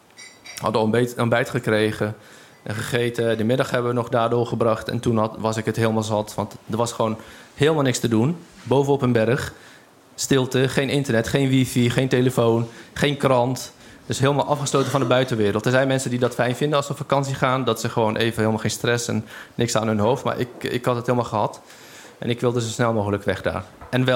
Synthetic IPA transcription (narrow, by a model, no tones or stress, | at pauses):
hɑ̰dəɔmbɛjtχəkreːɣə | ʔɛnχəχeːtədəmɪdɑxhɛbəʋənɔχdaːrdʊːɹχəbrɑχtɛ̰ntunʋɑsɪkətɦɪːlˠmalˠzɑtʋɑntdəɹʋɑsχəʋoːnheːlˠmalˠnɪkstədunbowvənɔpənbɛrəx | stɪlˠtəχeːnɪntərnɛtχeːnʋifiχeːnteːləfoːnχeːnkrɑnt | d̥øsɦɪəlˠmalˠʔɑfχəsloːtənfɔndəbœɥtənʋɪːɾəlˠtdərzɛjnmɛnsəndidɔtfɛjnfɪndəɔlˠsəɔpfakɑnsiəχaːndɔtsəχəʋoːnʔeːvənɪəlmalˠxeːnstrɛsɛ̰nːɪksaːnɦønɦowftma̰ɹʔɪ̰kɪ̰khɑtəthɪːlˠmalˠxəɦɑt | ʔɛ̰nɪkʋɪlˠdəsosnɛlˠmoːɣələkʋɛxda̰ːrɛnʋɛ